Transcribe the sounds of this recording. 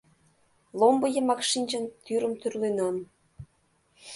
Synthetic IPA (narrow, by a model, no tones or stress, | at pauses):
lombəjə̆mɑkʃinʲd͡ʑənt̪yɾəmt̪yrlenɑm